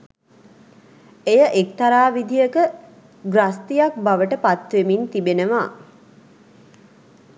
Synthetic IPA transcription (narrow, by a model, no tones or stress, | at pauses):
ejəʔek̚t̪aɾaːʋid̪ijəkə | ɡrast̪ijak̚baʋəʈəpat̪ʋemint̪ibenəʋa